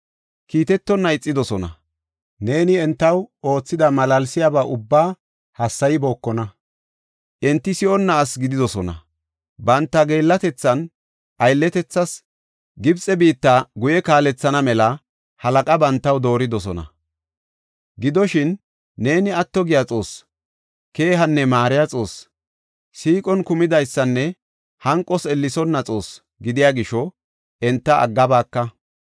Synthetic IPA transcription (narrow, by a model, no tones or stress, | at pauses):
kiːt̪ɛt̪ːɔnːɐɪt͡sʼːɪd̪ɔsɔnɐ̰ | ne̞ːnɪɛnt̪ːɐwo̞ːt͡sːɪd̪ɐmɐlɐlsɪjabaːʔʊbːaː | hɐsːɐjɪbo̞ːkːɔnɐ | ʔɛnt̪ːɪsɪʔɔnːaːsɡɪd̪ɪd̪ɔsɔnɐ̰ | bɐnt̪ːɐɡe̞ːlːɐt̪ɛt͡sːɐn | ʔɐjlːɛt̪ɛt͡sːɐs | ɡɪbt͡sʼːɛbiːt̪ːaɡʊjɛkaːlɛt͡sːɐnɐmɛlɐ | hɐlɐkʼɐbɐnt̪ːɐwd̪o̞ːɾɪd̪ɔs̬ɔnɐ̰ | ɡɪd̪ɔʃɪnː | e̞ːnɪɐt̪ːɔɡɪjat͡sʼo̞ːs | ke̞ːɦɐnːɛmaːɾɪjat͡sʼo̞ːs | siːkʼɔnkʊmɪd̪ɐjsːɐnːɛ | hɐŋkʼːɔsɛlːɪsɔnːɐt͡sʼo̞ːs | ɡɪd̪ɪjaːɡɪʃɔ | ɛnt̪ːɐʔɐ̰ɡːɐbaːkːɐ